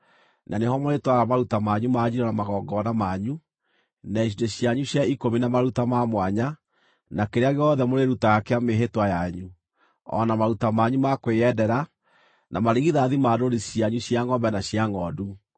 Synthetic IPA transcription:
nʔanehɔmoɾetwaɾamaɾutamaɲumaɲiɾɔnamaɣɔːɡɔnamaɲu | naiʃ̬ideɕjaɲuɕjaikominamaɾutamamwaɲa | nakeɾeaɣeɔðɛmoɾeɾutaɣakeameɦetwajaɲu | ɔ̰namaɾutamaːɲumakweɛdɛɾa | nʔamaɾiɣiðaðimadoɾiɕjaɲuɕjaŋɔmbɛnaɕjaŋɔdu

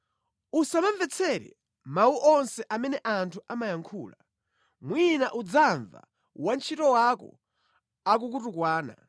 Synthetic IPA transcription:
usamaɱvɛt͡sʰɛɾɛ̰ | mauʔɔnsɛʔamɛnɛʔantʰuʔamajaŋkʰuːla | mwinaʔud͡zaɱva̰ | want͡ʃʰitɔwakɔ̰ | ak̬uk̬utukwaːna̰

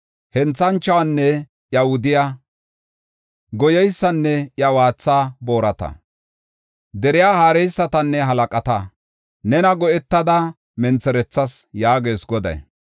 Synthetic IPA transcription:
hɛnt͡sːɐnt͡ʃːɐwɐnːɛ | jɐhʊd̪ɪja | ɡɔjɛjsːɐnːɛjɐwaːt͡sːaːbo̞ːɾɐt̪ɐ̰ | d̪ɛɾɪjaːhaːɾɛjsːɐt̪ɐnːɛɦɐlɐkʼɐt̪ɐ | nɛnɐɡɔʔɛt̪ːɐd̪ɐ | mɛnt͡sːɛɾɛt͡sːɐsjaːɡe̞ːsɡɔd̪ɐ̰j

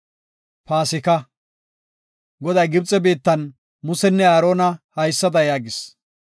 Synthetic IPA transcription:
paːsɪkɐ | ɡɔd̪ɐjɡɪbt͡sʼːɛbeːt̪ːɐn | mʊsɛnːɛaːɾo̞ːnɐhɐjsːɐd̪ɐjaːɡɪs

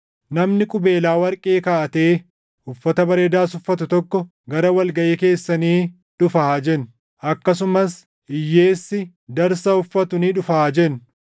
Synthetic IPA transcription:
nɐmnɪkʼʊbe̞ːlaːwɐɾkʼeːkaʔɐt̪e̞ː | ʊfːɐt̪ɐbɐɾeːd̪aːsʊfːɐt̪ʊt̪ɔkːɔ | ɡɐɾɐwɐlɡɐʔeːke̞ːsːɐniː | ᶑʊfaːd͡ʒɛn | ʔɐkːɐs̬ʊmɐs | ɪjːe̞ːsːɪ | d̪ɐɾsɐʊfːɐt̪ʊniːᶑʊfaːd͡ʒɛn

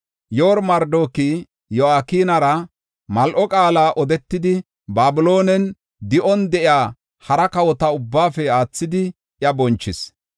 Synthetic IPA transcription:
joːɾmɐɾd̪o̞ːki | jɔaːkiːnɐɾɐ | mɐlʔɔkʼaːlaːʔɔd̪ɛt̪ːɪd̪ɪ | baːbɪlo̞ːnɛn | d̪ɪʔɔnd̪ɛʔɪjaː | hɐɾɐkɐwɔt̪ɐʊbːaːfɛaːt͡sːɪd̪ɪ | ʔjɐbɔnt͡ʃːɪs

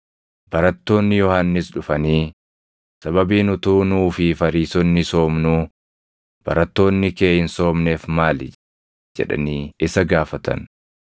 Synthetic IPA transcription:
b̥ɐɾɐt̪ːo̞ːnːɪjɔhanːɪsᶑʊfɐniː | sɐbɐbiːnʊt̪uːnuːfɪfɐɾiːsɔnːɪso̞ːmnʊ | b̥ɐ̰ɾɐt̪ːo̞ːnːɪke̞ːhɪnso̞ːmne̞ːfmaːl | d͡ʒɛ̰ᶑɐ̰niːɪsɐɡaːfɐt̪ɐ̰n

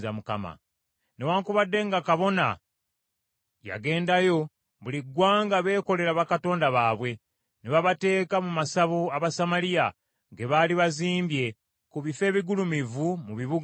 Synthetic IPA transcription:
zamuka̰ma̰ | newaːŋkuβadːe̞ŋɡakaβo̞na̰ | ja̰ɡe̞ːndajo̞ | βuliɡwaːŋɡaβe̞ːko̞le̞ɾaβakato̞ːndaβaːβwe̞ | neβaβate̞ːkamumasaβoaβasamalija | ɡe̞βaːliβaziːmbje̞ | kuβife̞ːβiɡulumivumuβiβuɡ

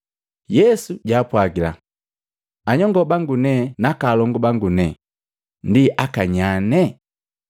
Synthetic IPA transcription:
jɛsuɟaːpwaɡila̰ | aɲɔŋɡɔbaŋɡunɛnakalɔŋɡɔbaŋɡunɛ | ndiʔakaɲanɛ

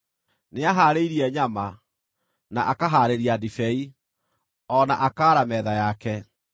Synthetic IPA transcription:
neaɦaːɾeiɾiɛɲama | naʔakaɦaːɾeɾiadifɛi | ɔnaʔakaːɾamɛðajakɛ

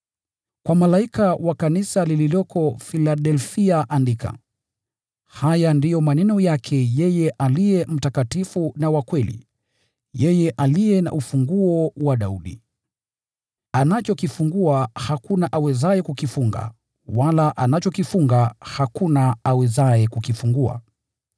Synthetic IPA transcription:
kwamalaikawakanisalililɔkʰɔfilaɗɛlfiaʔandikʰa̰ | hajandijɔmanɛnɔjakʰɛjɛjɛʔalijɛm̩takatifunawakwɛlḭ | jɛjɛʔalijɛna̰ʔufuŋɡuɔwaɗauɗḭ | anat͡ʃɔkifuŋɡuahakunaʔawɛzaɛkukifuŋɡa̰ | walaʔanat͡ʃɔkifuŋɡahakunaawɛzaɛkukifuŋɡua̰

